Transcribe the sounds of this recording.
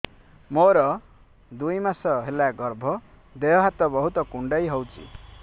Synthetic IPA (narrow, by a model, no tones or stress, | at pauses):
moɾɔ | d̪ujmasɔɦelaɡɔɾbʱɔ | d̪ejɔɦat̪ɔbɔɦut̪ɔkuɳɖajɦowt͡ʃʰḭ